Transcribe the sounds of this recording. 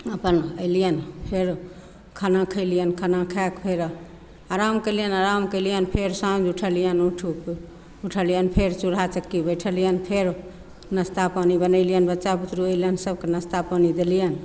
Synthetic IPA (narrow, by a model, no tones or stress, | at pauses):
əpənəɪlijənpʰeɾ | kʰənãkʰəɪlijənkʰənakʰɛkpʰeɾ | aɾamkəjlijənaɾamkəɪlijənpʰeɾsãd͡ʒuʈʰəlijənuʈʰu | uʈʰəlijənpʰeɾt͡ʃuɾat͡ʃəkːibəjʈʰəlijənpʰeɾ | nəst̪apanibənəɪlijənbətːʃaput̪ɾuəjlijənsəb̚kenəst̪apanid̪elijən